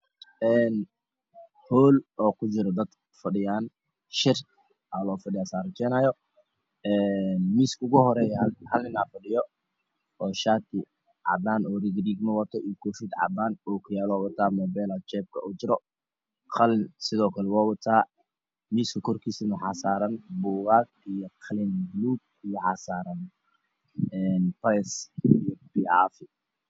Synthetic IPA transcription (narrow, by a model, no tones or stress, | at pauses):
ɛːn | hɔːlɔːkʰʊt͡ʃɪɾɔd̪ɐd̪ | fɐɖɪjaːn | ʃɪr | ʔɐlɔːfɐɖɪjaːsaːɾɐt͡ʃɛːnaːjɔ | ɛnmiːskʊɣʊhɔɾɛːjhɐlnɪnaːfɐɖɪjɔ | ɔːʃaːt̪ʰɪ | ʕɑ̰d̪aːnɔːriɡriːɡmɐwɐt̪ʰɔʔijkʰɔːfid̪ʕɑ̰d̪aːnɔːkʰʊjaːlɔwɐt̪ʰaːmɔːbɛːlat͡ʃɛːb̚kʰɐ̰ʔʊt͡ʃɪɾɔ | qʰɐlɪnsɪðɔːkʰɐlɛwaːwɐt̪ʰaː | miːskʰɐkʰɔrkʰiːsɪnɐħɑsaːɾɐnbuːɣaːt | ijɔqʰɐlɪnɡluːb̚ijɔħɑsaːɾɐn | ɛnpɾɛsijɔbia̰ːfɪ